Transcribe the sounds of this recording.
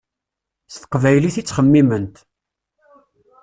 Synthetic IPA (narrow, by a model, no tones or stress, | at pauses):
θθə̥qːvæjliθit͡sːχəmːimənt̪